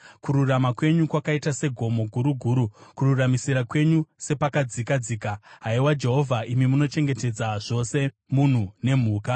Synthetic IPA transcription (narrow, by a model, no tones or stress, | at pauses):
kuɾuramakwe̞ɲukwakaitase̞ɡʱo̞mo̞ɡʱuɾuɡʱuːɾukururamisiɾakwe̞ɲuse̞pakad͡zikad͡ziːkaɦaiwad͡ʒe̞ɦo̞vʱaimimuno̞t͡ʃe̞ŋɡe̞te̞d͡zaʐ̥o̞se̞ | mun̤une̞m̤uːka